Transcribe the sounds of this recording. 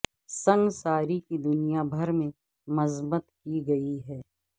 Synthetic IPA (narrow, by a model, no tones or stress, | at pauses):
sɐ̃ŋɡsaːɾikid̪ʊnijabʱɐɾmẽ | mɐzbət̪kiɡɐiɦɛː